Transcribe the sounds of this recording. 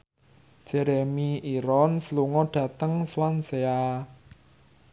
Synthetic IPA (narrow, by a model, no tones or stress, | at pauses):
ʒ̥ɛɾemiiɾɔnsəluŋɔɖ̥ä̤t̪əŋswansea